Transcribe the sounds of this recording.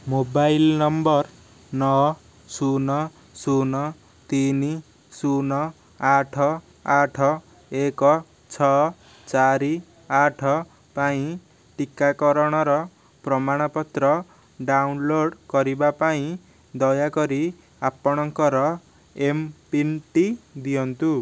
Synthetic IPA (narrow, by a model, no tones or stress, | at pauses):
mobajilnʌmbʌr | nʌ | sunʌ | sunʌ | t̪ini | sunʌ | aʈʰʌ | aʈʰʌ | ekʌ | t͡sʰʌ | t͡saɾi | aʈʰʌ | paĩ | ʈikːakʌɾʌɽ̃ʌɾʌ | prʌmaɽ̃ʌpʌt̪rʌ | ɖawnloɽkʌɾibapaĩ | d̪ʌjakʌɾi | apːʌɽ̃ʌŋkʌɾʌ | empinʈid̪ijʌnt̪u